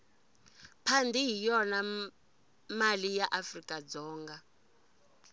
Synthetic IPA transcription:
pʰandʱiɦijɔna | malijaʔafrikʼad͡zɔːŋɡa

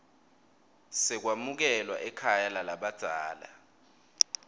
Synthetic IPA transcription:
sɛk̬wamuk̬ɛlwaʔɛkʰajalalaɓad̥ʱaːla̰

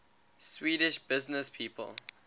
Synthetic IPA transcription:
swiːɾɪʃb̥ɪznəspʰiːpʰə̰lˠ

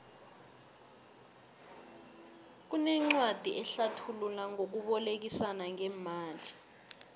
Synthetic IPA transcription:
k̬unɛŋ͡ǀwad̥ʱiʔɛɬatʰululaŋok̬uɓɔlek̬isanaŋɛmaːli

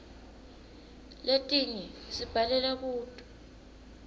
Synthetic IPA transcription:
letʼiŋisib̥ʱalɛlaɓuːtʼu

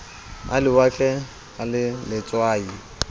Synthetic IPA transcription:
a̰lɪwakʼɛ | alɪlɪt͡sʼwaːi

